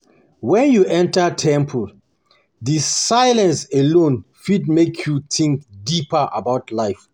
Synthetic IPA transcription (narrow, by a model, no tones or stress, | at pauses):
wɛ̃njuʔɛ̃ntatʰɛ̃mpʰul | disajlɛ̃nselõnfidmekʰjutʰĩŋkdipaʔa̰bawtlajf